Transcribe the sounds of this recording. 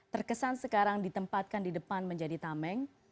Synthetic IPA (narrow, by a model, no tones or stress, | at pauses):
t̪ərkəsansəkaɾaŋdit̪əmpat̪̚kandidəpanməɲd͡ʒadit̪amɛŋ